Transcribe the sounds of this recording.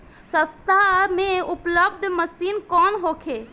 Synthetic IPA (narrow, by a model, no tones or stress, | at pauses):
sə̃st̪ameupləb̚d̪ʱməsinkɔnɦokʰe